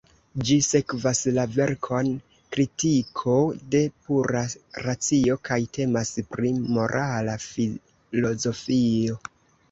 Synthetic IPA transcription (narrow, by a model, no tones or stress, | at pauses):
d͡ʒise̞kvaslave̞ɾkʰon | kɾitikʰo̞de̞puɾaɾat͡sio̞kʰajtʰe̞maspɾimo̞ɾʔalafi | lo̞zo̞fio̞